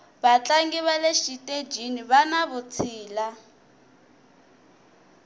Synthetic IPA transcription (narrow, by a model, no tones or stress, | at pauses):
βat͡ɬʼaŋɡiβaleʃitʼed͡ʒiniβanaβut͡sʰiːla